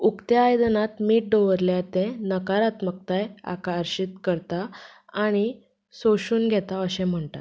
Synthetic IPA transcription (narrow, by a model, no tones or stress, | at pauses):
ukt̪jaːjd̪ənat̪miːʈ̚ɖoʋəɾljat̪ẽnəkaɾat̪mək̚t̪aja̰kaəɾɕit̪kəɾt̪aaɽ̃i | soɕuːnɡʱɛt̪aəɕɛ̃m̤əɳʈat̪